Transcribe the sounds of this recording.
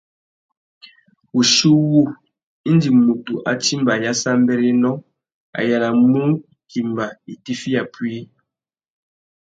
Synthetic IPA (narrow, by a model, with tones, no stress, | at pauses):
u˨ʃu˦wu˦ | i˦n˦di˨mu˨tu˨ʔa̰˨t͡ʃi˦mba˨ja˦sa˦m˦bɛ˦ɾi˦nɔ˦ | a̰˨ja˨la˨mu˦ŋ˨ki˨mba˨i˨ti˦fi˦a˨pwi˦